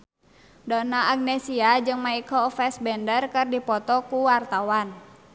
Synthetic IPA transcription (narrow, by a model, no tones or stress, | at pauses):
dɔnaʔːɡ̚nɛsiad͡ʒɨŋmaikɔfɛsbɛndərkɨrdipɔt̪ɔkuwart̪awan